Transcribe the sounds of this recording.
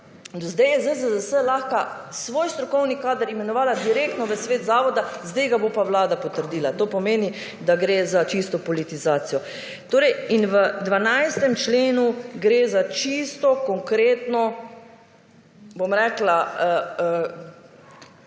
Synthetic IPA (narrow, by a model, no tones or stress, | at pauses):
d̪ɔzd̪ɛjɛzəzəzəsəlaːxka | sʋoːjst̪ɾɔkɔwnikaːd̪əɾimɛnɔʋaːlad̪iɾeːk̚t̪nɔʋəsʋeːt̪zaːʋɔd̪azd̪ɛjɡabopawlaːd̪apɔt̪əɾd̪iːlat̪oːpɔmeːni | d̪aɡɾeːzat͡ʃist̪ɔpɔlit̪izaːt̪sijɔ | t̪oːɾɛjinʋəd̪ʋanajst̪ɛmt͡ʃleːnuɡɾeːzat͡ʃist̪ɔkɔŋkɾeːt̪nɔ | bomɾɛːklaəə